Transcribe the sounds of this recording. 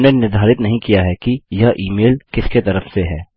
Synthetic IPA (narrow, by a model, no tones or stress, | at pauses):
nenɪɾd̪ʱaːɾɪt̪nɐɦĩkijaɦɛkijaʔiːmeːlkɪsket̪ɐɾəfseɦɛː